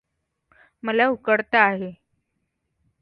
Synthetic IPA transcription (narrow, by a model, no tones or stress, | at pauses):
məlaukəɽt̪aːɦe